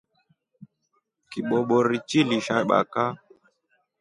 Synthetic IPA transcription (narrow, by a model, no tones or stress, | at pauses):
kiɓɔɓɔɾit͡ʃiliʃaɓa̰ka